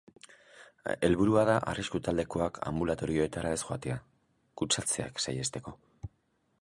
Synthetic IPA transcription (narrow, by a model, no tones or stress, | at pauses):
e̞̰lβuɾuaðaʔa̰riskut̪ald̪e̞ko̞akʰa̰mbulat̪o̞ɾio̞e̞t̪aɾae̞sxoat̪e̞a | kut͡sat͡se̞a̰ksaje̞st̪e̞ko̞